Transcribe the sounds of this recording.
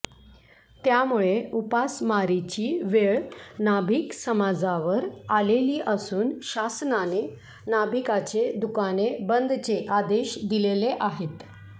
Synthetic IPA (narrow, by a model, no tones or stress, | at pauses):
t̪jamuɭeupasmaɾit͡ɕiːʋeɭnabʱiːksəmad͡zaʋəɾaleliːʔəsuːnɕasnane | nabʱikat͡ɕed̪ukanebənd̪t͡seʔad̪eɕd̪ileleʔaɦet̪